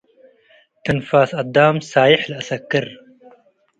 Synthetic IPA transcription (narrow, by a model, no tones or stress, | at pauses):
t̪ɐnfaːsɐd̪aːmsaːjɪħlɐsɐkːɪɾ